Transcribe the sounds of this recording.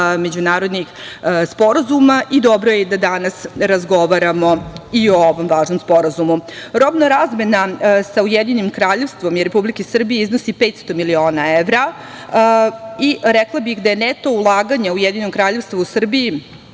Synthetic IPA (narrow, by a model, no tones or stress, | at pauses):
me̞d͡ʑunaːɾod̪nixspo̞ɾazumaʔid̪o̞bɾojed̪ad̪anasɾazɡo̞ʋaɾamo̞iooʋomʋaːʒno̞mspo̞ɾazumuɾo̞bnoɾaːzme̞nasaujed̪inimkɾaːʎe̞ʋst̪ʋo̞mjeɾepublikisr̩bijeizno̞sipeːt̪st̪o̞milio̞ːnaeʋɾa | iɾɛklˠabixd̪aje̞net̪o̞ulˠaːɡaɲaujed̪inomkɾaːʎe̞ʋst̪ʋousr̩biji